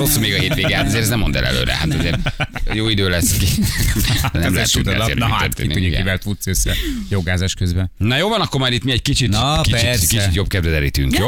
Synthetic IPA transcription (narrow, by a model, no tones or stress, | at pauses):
osːomeːɡɒheːt̪ʋeːɡɛat̪ɒzeːɾɛznɛmːond̪ɛ̰lʔɛ̰lø̰ːɾɛ̰hat̪ɔzeːɾjoːid̪øːlɛsːki | nɛmlɛɛt̪ːua̰ḛːt̪ːrt̪ḛitniuɡɛivɛlt̪ut̪søsːɛjoɡaːzaʃkøzbɛnnɒjoːlvɒnɒkːoɾmaːɾit̪miɛɟkit͡ʃit̪kit͡ʃikit͡ʃit̪jo̞bkɛd̪ʋɛzɛlḭːt̪yŋkjo